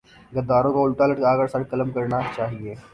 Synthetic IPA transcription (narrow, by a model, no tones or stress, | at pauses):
ɡɐd̪ːaːɾõkaʊlʈalɐʈkaːɡəɾsɐɾkɐləmkɐɾnat͡ʃaːɦieː